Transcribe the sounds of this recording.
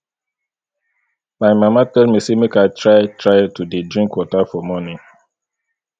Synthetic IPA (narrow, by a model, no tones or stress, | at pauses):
majmamatɛlmisemekaɪtʰɹajtɹajtudedɹĩŋkwɔtafɔmɔnĩ